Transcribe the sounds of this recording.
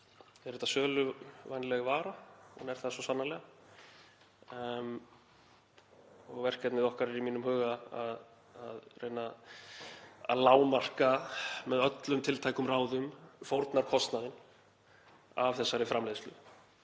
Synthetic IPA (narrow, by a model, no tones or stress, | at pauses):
ɛɾɛht̪asœːlʏvajnlɛɣvaːɾahunɛɾ̥θaðasɔsanːalɛɣa | m | ɔɣvɛr̥kcɛt̪nɪðɔhkaɾɛɾimiːnʏmhʏːɣaað | aðrejna | a̰ðlaːwmar̥kamɛðœt̪lʏmt̪ʰɪlt̪ʰaːjkʏmraːwðʏmfowɾt̪naɾkʰɔst̪naðɪn | avθɛsːaɾɪfɾamlejðslʏ